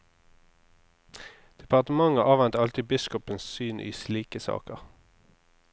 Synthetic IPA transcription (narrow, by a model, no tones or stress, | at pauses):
d̪̥ɛpɑʁt̪əmɑŋəʔɑːʋɛnt̪ɑlt̪ibɪskɔpənssyːnʔḭːsliːkəsɑ̰ːkəʁ